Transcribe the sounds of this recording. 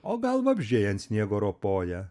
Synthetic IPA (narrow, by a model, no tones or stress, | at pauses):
oːɡɐlˠʋɐbʲʒʲeːjɛnt̪sʲnʲiɛɡoːɾoːpoːjɛ